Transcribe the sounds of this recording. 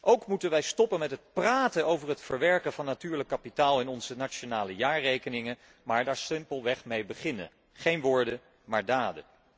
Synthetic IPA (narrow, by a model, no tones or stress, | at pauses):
ʔowkmutənʋɛjstɔpənmɛtɦət̚praːtənowvərɦətfəɹʋɛɹkənvɑnːatyːɹləkːapitaːlˠɪnɔnz̥ənat͡ʃonaːləjaːɹrejkənɪŋə | maːɹdaːɹsɪmpəlˠʋɛχmejbəχɪnə̰ | χejnʋʊːɹdə | maːɹdaːdə̰